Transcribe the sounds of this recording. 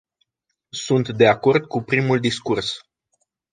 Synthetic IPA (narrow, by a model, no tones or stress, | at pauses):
sunt̪d̪e̞ako̞rd̪kupɾimuld̪iskurs